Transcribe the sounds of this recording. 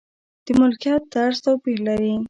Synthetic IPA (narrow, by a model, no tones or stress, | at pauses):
d̪̥əmʊlkijɑt̪̚ːaɾst̪awpihlaɾi